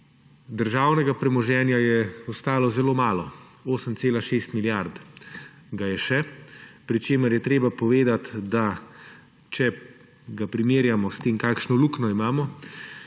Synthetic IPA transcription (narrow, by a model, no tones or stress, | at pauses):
d̪əɾʒaːwnɛɡapɾɛmɔʒɛːnjajɛɔst̪aːlɔzɛloːmaːlɔoːsəmt̪seːlaʃeːst̪miljaɾd̪ | ɡajɛʃɛpɾit͡ʃeːməɾjɛt̪ɾeːbapɔʋeːd̪at̪d̪a | t͡ʃɛ | ɡapɾimeːɾjamɔst̪eːmkaːkʃnɔluːknɔimaːmɔ